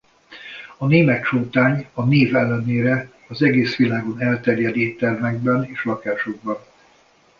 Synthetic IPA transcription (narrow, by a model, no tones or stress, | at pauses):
ɒneːmɛt̪ʃoːt̪aːɲɒneːvɛlːɛneːɾɛ | ɒzɛɡeːsʋilaːɡo̞nɛlt̪ɛrjɛd̪iːt̪ːɛrvɛɡ̚bɛneːʃlɒkaːʃo̞ɡ̚bɒn